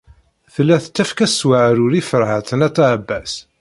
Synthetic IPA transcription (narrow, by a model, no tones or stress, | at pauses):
θəlːæθt͡sːæfkæswaʕɾʊɾifəɾʕaθənæt̪ːæbːæs